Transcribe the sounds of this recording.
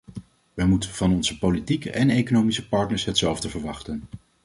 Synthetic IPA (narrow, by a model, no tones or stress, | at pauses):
ʋəmutənv̥ɑnɔnzəpolitikəʔɛnejkonowmisəpɑɹtnəɹsɦətsɛlˠvdəvəɹʋɑχtən